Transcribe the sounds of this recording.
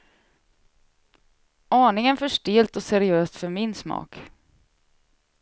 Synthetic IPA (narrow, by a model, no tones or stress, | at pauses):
ɑːɳɪŋənfœʂʈeːlt̪ɔsɛɾɪøːst̪fœɾmɪnsmɑ̰ːk